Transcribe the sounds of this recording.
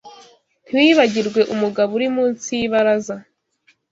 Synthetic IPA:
twiβaɟiɾɡwe̞ʔumuɡaβuɾimuːnsijiβaɾaza

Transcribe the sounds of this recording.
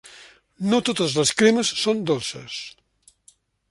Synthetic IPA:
not̪ot̪əzləskɾeməsːond̪olˠsə̰s

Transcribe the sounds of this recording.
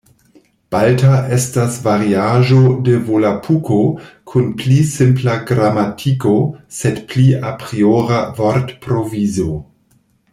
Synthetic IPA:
b̥altaʔestasvaɾiaʒodevolapʰukʰokʰunplisɪmplaɡɾamatʰikosedpliapɾioɾavoɾtpɾovizo

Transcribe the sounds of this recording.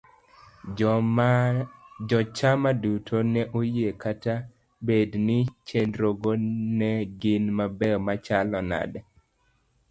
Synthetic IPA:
d͡ʒɔt͡ʃamadutʰonɛʔojekata | bednɪt͡ʃenɾoɡonɛɡɪnmabɛɔmat͡ʃalɔna̰dɛ

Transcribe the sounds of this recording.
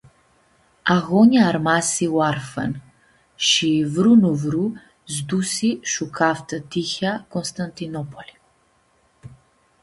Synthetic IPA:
aɣɔɲaːɾmasiwaɾfɛ̰n | ʃivɾunɔvɾu | zd̪usiʃukʰaft̪at̪içakɔnst̪ant̪inɔpʰɔli

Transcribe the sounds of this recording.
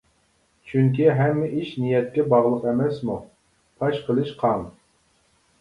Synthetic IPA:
t͡ʃʰyŋkʲiɦɛmːɪʔiʃnijɛt̪̚kʲɛbɑʁlˠəqɛmɛsmu | p̪ʰɑʃqʰəlˠɨʃqʰɑm

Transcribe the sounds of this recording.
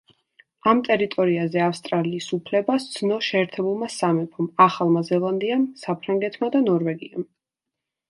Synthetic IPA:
amt̪ʼɛɾit̪ʼɔɾiazɛafst̪ʼɾaliːsupʰlɛbasd̪sʰnɔʃɛːɾt̪ʰɛbulˠmasamɛpʰɔmaχalˠmazɛlˠand̪iamsapʰɾaŋɡɛt̪ʰmad̪anɔɾvɛɡiam

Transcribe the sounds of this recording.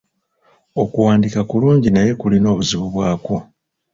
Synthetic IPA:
o̞kuwaːndikakuluːɲɟinaje̞kulino̞ːβuziβuβwaːko̞

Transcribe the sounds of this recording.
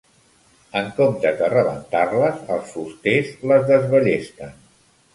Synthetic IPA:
əŋkomt̪əkərəβə̰nt̪arləzəlˠsfust̪ezləzðəzβəʎest̪ən

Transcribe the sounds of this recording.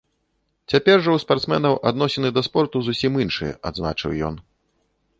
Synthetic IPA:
t͡sʲapʲɛrʐɐwspart̪smɛnɐwʔa̰d̪nɔsʲɛnɨd̪ɐspɔrt̪uzusʲiminʂɨjɛ̰ʔa̰d̪zna̰t͡ʂɨwjɔ̰n

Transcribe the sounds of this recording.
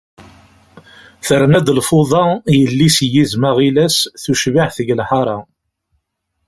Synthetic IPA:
θəɾnæd̪lfʊðˤɑjəlːisjizməʁilæsθuʃvaħθəʝlħɑɾˤɑ

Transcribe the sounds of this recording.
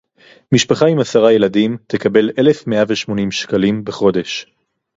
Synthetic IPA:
miʃpaχaimasaʁaje̞ladimt̪ekabe̞le̞le̞fmeʔaveʃmo̞nimʃkalimbeχo̞de̞ʃ

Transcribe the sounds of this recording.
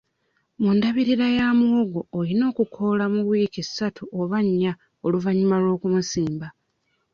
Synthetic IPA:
mundaβiɾiɾajaːmwoɡo̞ːlino̞ːkukʰo̞lamuβwiːkesːatʰuʔoβaɲːa | oluvaɲːumalo̞ːkumusiːmba

